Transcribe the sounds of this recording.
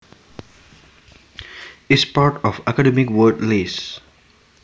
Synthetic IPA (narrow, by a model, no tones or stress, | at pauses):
ɪspaːɾʈɔfakaɖɛmɪkwəɖleːs